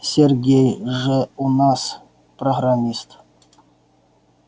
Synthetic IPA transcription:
sʲerɡʲejʐɨunas | proɦramʲist̪

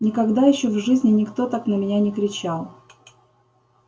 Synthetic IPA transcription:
nʲɪkɐɡd̪ajɪɕːovʐɨzʲnʲɪnʲɪkt̪o̞t̪aknəmʲɪnʲanʲɪkɾʲɪt͡ɕalˠ

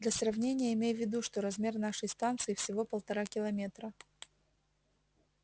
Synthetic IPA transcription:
d̪lʲɐsrɐvnʲenʲɪjəɪmʲejvʲːɪd̪uʂt̪o̞ɾɐzmʲe̞rnaʂəjst̪ant̪sɨɪfsʲɪvo̞pəlˠt̪ɐɾakʲɪlˠɐmʲet̪ɾə

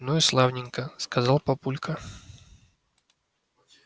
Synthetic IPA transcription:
nojʊslˠavnʲɪŋkəskɐzɑlˠpɐpulʲkʰə

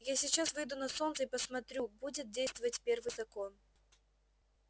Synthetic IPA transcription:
jasʲɪt͡ɕːasvɨjd̪unɐso̞nt̪səipəsmɐt̪ɾʲubudʲɪt̪̚dʲejst̪vəvətʲpʲervɨjzɐko̞n

